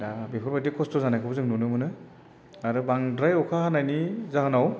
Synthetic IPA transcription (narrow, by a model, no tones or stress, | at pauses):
abipʰɯɾbadikʰɔstɔzanakʰɯbzɯŋnunɯmɯnɯ | aɾɯbaŋdɾajɔkʰahanajnizaɦɯnaw